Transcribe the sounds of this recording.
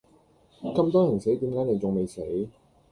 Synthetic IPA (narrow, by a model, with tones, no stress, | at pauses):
kɐ˧mt̪ɔː˥jɐ˨˩nse˨˥jt̪iː˨˥mkaː˨˥jne˨˧jt͡sʊ˨ŋme˨˧jse˨˥j